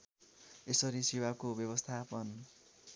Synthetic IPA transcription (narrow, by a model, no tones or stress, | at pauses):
esʌɾisiwakobjʌbʌst̪ʰapʌn